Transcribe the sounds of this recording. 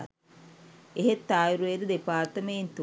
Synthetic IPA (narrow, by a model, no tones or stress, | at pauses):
eɦet̪ːaːjuɾued̪əd̪epaːrt̪əmejint̪u